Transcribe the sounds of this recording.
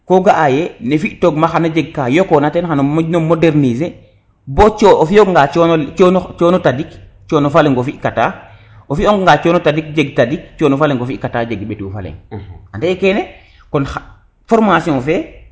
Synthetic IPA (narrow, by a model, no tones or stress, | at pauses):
koɡaʔajenefiʔtoɡmaxanad͡ʒeɡ̚kajokɔnatɛnxanonomodɛɾnize | bɔt͡ʃofioŋɡat͡ʃnɔnt͡ʃɔnotadik | t͡ʃɔnofaleŋɡofikata | ofioŋɡŋɡat͡ʃɔnotadik̚d͡ʒeɡtadik̚t͡ʃɔnofaleŋɡofiʔkatad͡ʒeɡɓetufalɛ̰ŋandɛɛkɛnɛ | kɔna | fɔɾmasiɔ̃fɛ